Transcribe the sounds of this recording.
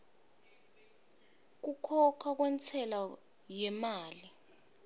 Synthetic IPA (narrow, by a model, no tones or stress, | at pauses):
k̬ukʰɔkʰak̬wɛnt͡sʰɛla | jɛmaːli